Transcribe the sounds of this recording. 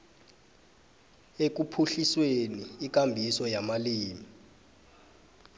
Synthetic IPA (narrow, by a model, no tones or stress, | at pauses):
ek̬upʰuɬisweniːk̬ʼambʱisɔjamaliːmi